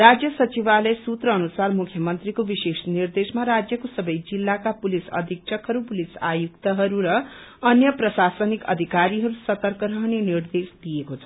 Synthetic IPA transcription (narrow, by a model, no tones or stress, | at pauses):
rad͡zjʌsʌt͡sibalesut̪rʌːnusarmukʰjʌmʌnt̪rikobisesnird̪esmaɾad͡zjʌkosʌbʌjd͡zilːakapulisʌ̰d̪ʱik̚t͡sʰʌkɦʌɾupulisa̰juk̚t̪ʌɦʌɾuɾʌʌnjʌprʌsasʌnikʌ̰d̪ʱikaɾiɦʌɾusʌt̪ʌrkʌɾʌɦʌnenird̪esd̪ijekot͡sʰʌ